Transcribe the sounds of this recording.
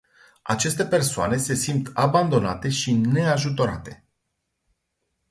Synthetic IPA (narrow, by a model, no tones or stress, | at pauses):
a̰t͡ʃe̞st̪e̞pe̞rsoa̰ne̞se̞simt̪aband̪o̞nat̪e̞ʃine̞aʒut̪o̞ɾa̰t̪e̞